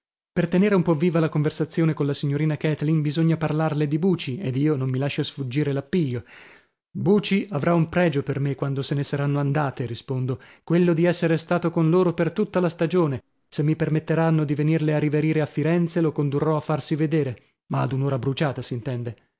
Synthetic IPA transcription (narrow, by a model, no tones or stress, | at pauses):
pert̪eneːɾeumpɔvːiːvalakoɱversat̪sːjoːnekonlasiɲːoɾiːnakɛt̪linbizoɲːaparlarled̪ibuːt͡ʃied̪iːonomːilaʃːasfud͡ʒːiːɾelapːiʎːo | buːt͡ʃiʔavɾʔaumpɾɛːd͡ʒopermekːwand̪osenesaɾanːoand̪aːt̪eɾispond̪okwelːod̪iɛsːeɾest̪aːt̪okonloːɾopert̪ut̪ːalast̪ad͡ʒoːne | semːipermet̪ːeɾanːod̪ivenirlearːiveɾiːɾeafːiɾɛnt̪selokond̪urːɔafːarsived̪eːɾe | ma̰ːd̪unoːɾabɾut͡ʃaːt̪asint̪ɛnd̪e